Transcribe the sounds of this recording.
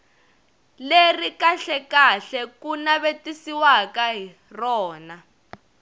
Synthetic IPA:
lerikaɬɛkaɬɛkunaβetisiwakaɦi | rɔːna

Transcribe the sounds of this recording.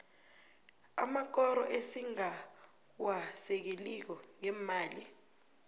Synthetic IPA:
a̰mak̬ɔɾɔ̰ʔesiŋa | wasɛk̬elik̬ɔŋɛmaːli

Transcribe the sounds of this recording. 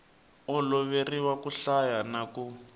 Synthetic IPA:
ɔlɔβeriwakuɬajanaku

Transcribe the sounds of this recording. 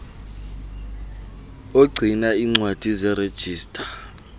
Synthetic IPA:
oɡ͡ǀʱinaiŋ͡ǀwad̥ʱizɛɾed̥ʒ̥ʱiːstʼḁ

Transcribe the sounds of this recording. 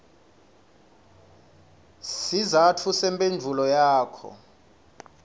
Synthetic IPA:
sizatʰusɛmpʼend͡vʱulɔjaːkʰɔ̰

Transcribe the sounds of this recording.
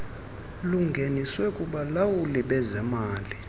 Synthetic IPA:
luŋɡʱeniswɛkʼuɓalawuliɓɛzɛmaːli

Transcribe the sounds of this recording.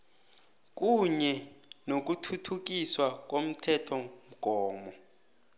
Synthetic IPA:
k̬ʼuɲɛnok̬utʰutʰuk̬iswak̬ʼom̩tʰɛtʰɔm̩ɡ̥ʱɔːmɔ

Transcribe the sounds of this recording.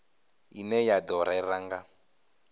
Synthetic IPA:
inɛjadɔɾaɛɾaŋɡa

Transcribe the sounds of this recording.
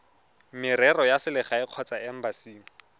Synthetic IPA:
mɪɾɛrɔjasɪlɪχaɪq͡χʰɔt͡saɛm̩basiːŋ̩

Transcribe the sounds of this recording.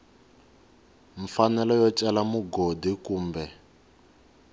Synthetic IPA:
ɱfanɛlɔjɔt͡ʃɛlamuɡodikuːmbɛ

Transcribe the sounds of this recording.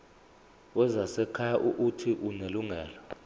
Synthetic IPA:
wɛzasɛkʰajaʔuʔːtʰiʔuneluŋɛːlɔ

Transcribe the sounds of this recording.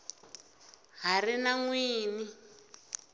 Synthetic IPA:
ɦarinaŋwiːni

